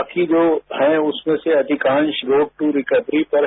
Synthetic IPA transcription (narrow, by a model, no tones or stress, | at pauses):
kid͡ʒoːɦɛ̃ʊsmẽseɐd̪ʱɪkãːnʃɡoːɖ̚ʈːuɾɪkəʋɾipɐɾ